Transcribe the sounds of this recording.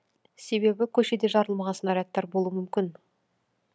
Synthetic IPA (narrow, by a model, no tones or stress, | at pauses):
se̞be̞bɪkʲʰɵʃe̞d̪eʒɑɾəlˠmɑʁɑnsənɑɾʲeat̪ːɑɾbo̞lˠuwəmʏmkʲɪn